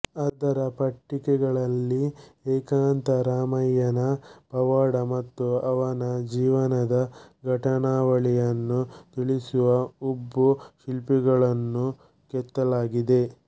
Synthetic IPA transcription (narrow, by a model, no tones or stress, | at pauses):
ɐd̪ɐɾɐpɐʈːikɛɡɐɭɐlːieːkaːnt̪ɐɾaːmɐjːɐnɐpɐʋaːɽɐmɐt̪ːuɐʋɐnɐd͡ʒiːʋɐnɐd̪ɐɡʱɐʈɐɳaːʋɐɭijɐnːut̪iɭisuʋɐubːuʃilpiɡɐɭɐnːu | kɛt̪ːɐlaːɡid̪e̞